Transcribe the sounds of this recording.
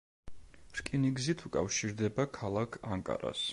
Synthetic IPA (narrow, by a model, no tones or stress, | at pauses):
ɾkʼiniɡzit̪ʰukʼafʃiɾd̪ɛbakʰalˠakʰaŋkʼa̰ɾa̰s